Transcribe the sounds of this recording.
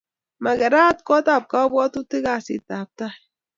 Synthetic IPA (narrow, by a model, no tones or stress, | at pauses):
maɡaɾat̪kot̪ap̚kabot̪ut̪ɨɡasḭt̪ap̚t̪a